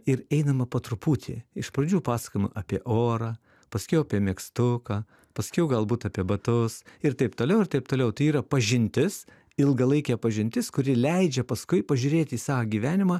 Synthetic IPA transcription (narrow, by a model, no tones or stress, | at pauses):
ɪɾɛɪnɐmɐpɐt̪ɾʊpuːt̪ʲʰḛːɪʃpɾɐd͡ʒʲuːpɑːsɐ̥kojmʊʔɐpʲiɛʔoːɾɑː | pɐsʲkʲɛʊɐpʲiɛmʲɛkst̪ʊkɐː | pɐsʲkʲɛʊɡɐlˠbuːt̪ɐːpʲiɛbɐt̪ʊsɪrt̪ɐɪpt̪oːlʲɛʊɪrt̪ɐɪp̚t̪oːlʲɛʊt̪ɐɪiːɾɐpɐʒʲɪnʲt̪ʲɪs | ɪlˠɡɐlˠɐɪkʲɛːpɐʒʲɪnʲt̪ʲɪskʊɾʲɪlʲɛɪd͡ʒʲɛpɐskʊɪpɐʒʲʊːɾʲeːt̪ʲiːsɑːʋɐɡʲiːʋʲæːnʲɪmɑː